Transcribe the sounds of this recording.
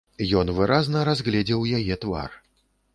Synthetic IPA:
jɔnvɨɾʔaznɐɾazɣlʲɛd͡zʲɛwjajɛt̪va̰r

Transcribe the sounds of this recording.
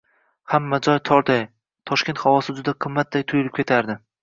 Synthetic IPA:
hamːad͡ʒɒjt̪ʰɒɾt̪aj | t̪ʰɒʃkʲe̞nt̪havɒsɪd͡ʒʊd̪aqʰɨmːat̪̚d̪ajt̪ʰʊjʊlˠɪp̚kʲʰe̞t̪ʰaɾd̪ɪ

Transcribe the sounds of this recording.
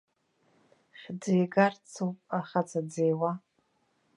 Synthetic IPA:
χʲd͡zejɡart͡sʰuwpʼaχat͡sʰad͡zejwa

